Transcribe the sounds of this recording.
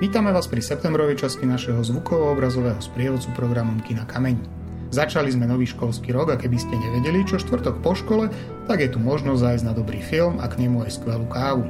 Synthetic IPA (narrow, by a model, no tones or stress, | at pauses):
ʋiːt̪amɛʋaːspɾisɛp̚t̪ɛmbɾɔʋɛjt͡ʃascinaʃɛɦɔzʋukɔʋɔɔbɾazɔʋɛːɦɔspɾɪɛʋɔt͡supɾɔɡɾamɔmkinakamɛɲi | zat͡ʃalizmɛnɔʋiːʃkɔlskiːɾɔɡakɛbiscɛɲɛʋɛɟɛlit͡ʃɔʃt̪ʋr̩t̪ɔkpɔʃkɔlɛ | t̪aɡjɛt̪umɔʒnɔzzajznad̪ɔbɾiːfilma̰kɲɛmuajskʋɛluːkaːʋu